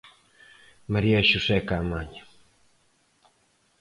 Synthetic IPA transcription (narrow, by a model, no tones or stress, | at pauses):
maɾiaʃusekaːmaɲḁ